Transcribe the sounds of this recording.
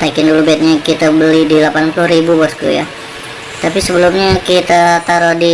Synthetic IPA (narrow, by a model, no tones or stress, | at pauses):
t̪aikɪndulubaat̪̚ɲakit̪abəlidilapanpulʊhɾibubɔsk̪ṵja̰ | t̪apisəbəlumɲakit̪at̪aɾodi